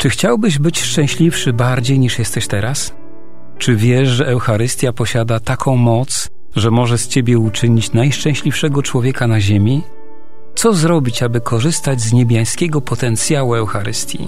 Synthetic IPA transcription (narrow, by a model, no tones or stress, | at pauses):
t͡ʂɘxt͡ɕawbɘʑbɘt͡ɕʂt͡ʂɛ̃w̃ɕlʲifʂɘbaɾd͡ʑejɲiʂjɛst̪ɛɕt̪ɛɾas | t͡ʂɘvʲjɛʂʐɛʔɛwxaɾɘst̪ʲjapɔɕad̪at̪akʰɔ̃w̃mɔt̪s | ʐɛmɔʐɛst͡ɕebʲjɛut͡ʂɘɲit͡ɕnajʂt͡ʂɛ̃w̃ɕlʲifʂɛɡɔt͡ʂwɔvʲjɛkanaʑemʲi | t̪sɔzɾɔbʲit͡ɕabɘkʰɔʐɘst̪ad͡ʑʲzɲebʲjaj̃skʲɛɡɔpɔt̪ɛnt̪sʲjawuɛwxaɾɘst̪ʲjḭ